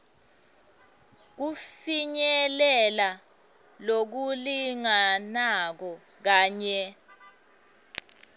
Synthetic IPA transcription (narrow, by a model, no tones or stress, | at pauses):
k̬ufiɲɛlɛla | lok̬uliŋanak̬ɔ | k̬aːɲɛ